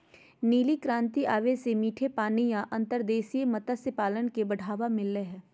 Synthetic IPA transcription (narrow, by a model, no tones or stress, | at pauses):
niːlikɾãːnt̪iʔaːʋesemiːʈʰepaːnijãʔɐ̃nt̪əɾd̪eːsiemɐt̪asepaːlənkebɐɽ̤ʱaːʋamɪlːeɦɛ̃ː